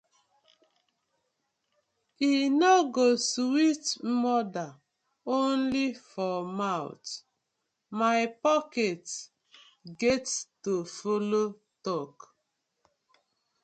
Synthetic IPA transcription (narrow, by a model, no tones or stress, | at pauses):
inɔɡoswitmɔda | onlifɔmaʊ̰t | maɪpɔket | ɡɛttofolo | tɔk